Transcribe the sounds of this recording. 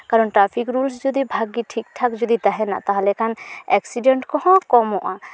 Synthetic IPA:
kaɾɔnʈɾapʰikɾulsd͡ʒɔd̪ibʱaɡiʈʰik̚ʈʰakd͡ʒɔd̪id̪aɦɛna̰ʔt̪aɦlɛkʰanɛksiɖeɳʈkɔɦɔ̃kɔmɔʔa

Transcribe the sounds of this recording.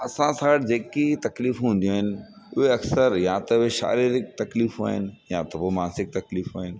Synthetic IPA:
ɐsãsaːɽd͡ʑeːkit̪ɐkliːfɦũn̆d̪ijũaɦɪnɪ̆ | ʊɦeɐksəɾjat̪ɐʊɦeʃa̰ːɾiːɾɪk̚t̪ɐkliːfɦua̰ːɦɪnɪ̆jat̪ɐpoːmaːnsɪk̚t̪ɐkliːfɦuaːɦɪnɪ̆

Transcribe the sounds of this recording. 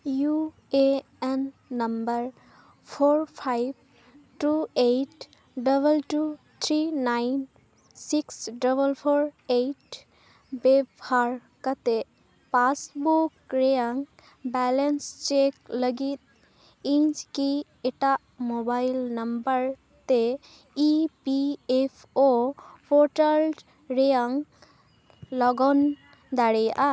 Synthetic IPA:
ju | e | ɛnː | ɐmbəɾ | pʰoɹpʰajb̚ | ʈuejʈ | ɖəbəlʈu | t̪ʰɾinajn | siksɖəbəlpʰoɹejʈ | bebʱaɾ | kət̪e | pasbukːɾejaŋ | bɛlenst͡ʃekləɡit̪̚ | ĩd͡ʒki | eʈaʔmobajlnəmbəɾ | t̪e | ipiepʰopʰoʈəl | ɾejaŋ | lɔɡɔn | d̪aɽejaʔa

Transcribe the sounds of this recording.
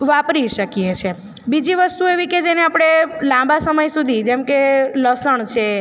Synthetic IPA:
ʋapɾiʃəkijet͡ʃʰe | bid͡ʒiʋəst̪ueʋiked͡ʒeneapɽ̃elãmbasəməjsud̪ʱid͡ʒemkeləsəɳt͡ʃʰe

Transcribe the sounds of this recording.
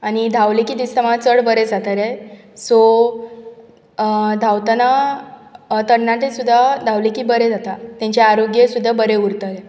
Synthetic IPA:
añid̪ʱawlekiːd̪ist̪əmat͡səɽbəɾed͡zat̪aɾe | so | d̪ʱawt̪ana | t̪əɳːaʈesud̪ʱːad̪ʱawlekiːbəɾed͡zat̪at̪jãɲt͡ɕaaɾoɡjesud̪ʱːabəɾeuɾt̪əɾe

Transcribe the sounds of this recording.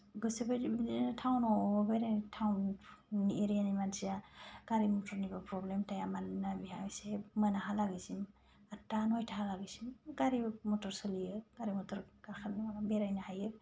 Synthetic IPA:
ɡɯsebatʰawnɔbeɾetʰawnieɾijanimansiaɡ̥aɾimɔtʰɔɾnibapɾɔblemtajamannabiɦajsemɯnaɦalaɡisim | atanɔjtʰaɦalaɡisimɡaɾimɔtɔɾsɯliɯɡ̥aɾimɔtɔɾkakʰanbeɾajnahajɯ

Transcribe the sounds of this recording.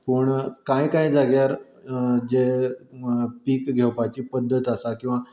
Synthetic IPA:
pəɳkãjkaid͡zaɡjaɾ | d͡ʑe | piːkɡʱewpajt͡ɕiːpəd̪ʱːət̪asakĩw̃ʋa

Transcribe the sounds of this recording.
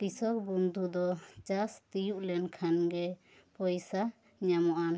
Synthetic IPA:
ʈisɔkbund̪ʱud̪ɔt͡ʃast̪ijuʔlɛnkʰanɡɛ | pɔjsa | ɲamɔʔan

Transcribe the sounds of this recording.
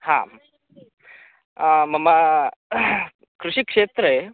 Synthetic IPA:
hã̰ | mɐma | kɾuʂikʂeːt̪ɾe

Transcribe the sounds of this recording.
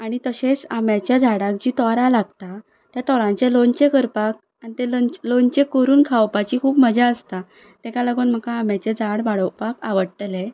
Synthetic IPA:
aɽ̃it̪əɕet͡samjat͡ɕjad͡zʱaɽãk̚d͡ʑiːt̪ɔɾãlaɡ̚t̪a | t̪jat̪ɔɾãɲt͡ɕelont͡ɕekəɾpak̚ | anit̪ellont͡ɕekoɾuːnkʰawpat͡ɕiːkʰuːpməd͡ʑaəst̪a | t̪ekalaɡoːnm̤əkaːmjat͡ɕed͡zʱaɽbaɽəwpakaʋəɽt̪le

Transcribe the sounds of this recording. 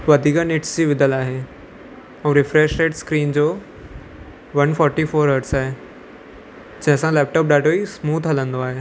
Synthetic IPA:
ʋɐd̪ʱiːkənɪʈsd͡ʑiʋɪd̪ʱəlaːɦe | ũːɾɪfɾeːʃɾeːʈskɾiːnd͡ʑoː | ʋɐnfɔːɾʈifoːɾɦəɖsaːɦe | d͡ʑɐ̃ɦə̃sãlɛːp̚ʈɔːp̚ɗaːɖoismuːt̪ʰɦɐlə̃nd̪oaːɦe

